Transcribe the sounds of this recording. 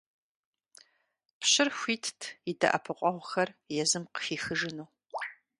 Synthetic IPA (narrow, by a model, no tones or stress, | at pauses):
pɕɪrxʷiːtʰtʰidɐ̰ʔɐpʰɨqʷʼɔʁʷxɐrjɛzɨmqə̥fiːxɨʒɨnuː